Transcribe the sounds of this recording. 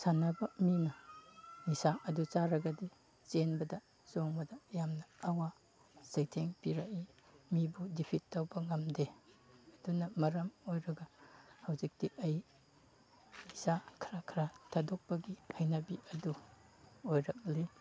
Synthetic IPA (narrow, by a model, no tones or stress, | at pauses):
sanɐbɐminɐnisaʔɐdut͡ʃaɾɐɡɐdi | t͡ʃenbɐdɐ | zoŋbɐdɐjamnɐːwa | z̥ɐjtʰeŋpiɾɐkimibudipʰitːɐwbɐŋɐmdeɐdunɐmɐɾɐmojɾɐɡɐhɐwzik̚tiʔɐj | nisakʰɾakʰɾatʰadok̚pɐɡihɐjnɐbiʔɐdu | ojɾɐk̚li